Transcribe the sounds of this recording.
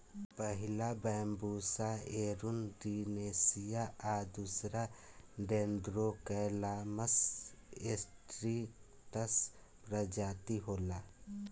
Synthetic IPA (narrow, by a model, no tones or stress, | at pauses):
pəɦɪlabɛːmbuːsaeːɾʊnɖineːsɪjaad̪usɾaɖẽːnd̪ɾokɛlaːməsesʈɾi | ʈəs | pɾəd͡ʒaːt̪iɦoːlaː